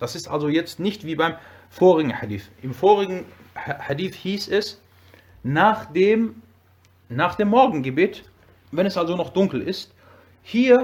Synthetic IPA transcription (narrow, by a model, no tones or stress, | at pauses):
d̥asɪstʔa̰lzojɛt͡stnɪçtv̥iːbaɪm | foːʁɪɡŋ̩ħadḭːθʔɪmfoːʁɪɡŋ̩ħadiːθhiːsɛs | naːχd̥eːm | naːχd̥eːmːɔɐɡŋ̩ɡəbeːt | vɛnɛsʔalzonɔχd̥ʊŋkl̩ʔɪst | hiːɐ